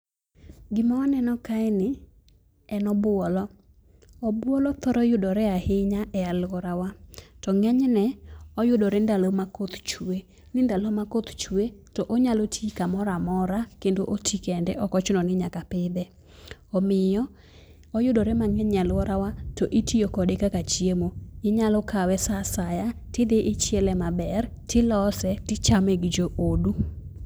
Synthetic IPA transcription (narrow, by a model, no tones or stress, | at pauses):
ɡɪmaanɛnɔkaɛnɪ | ɛnɔbʊɔlɔ | ɔbwɔlɔt̪ɔɾɔjʊdɔɾɛahɪɲaʔɛalwɔɾawatɔŋɛɲnɛɔjʊdɔɾɛndalomakot̪t͡ʃue | nɪndalomakot̪t͡ʃuetɔʔoɲalotʰikamɔɾamɔɾakendoʔotʰikɛndɛʔɔkɔt͡ʃʊnɔnɪɲakapɪd̪ɛ | ɔmɪjɔ | ɔjʊdoɾɛmaŋɛɲalwɔɾawatoʔitijokɔdekakat͡ʃiemoɪɲalɔkawɛsasajatɪd̪eʔɪt͡ʃjɛlɛmabɛr | tɪlɔsɛtɪt͡ʃameɡid͡ʒoʔodu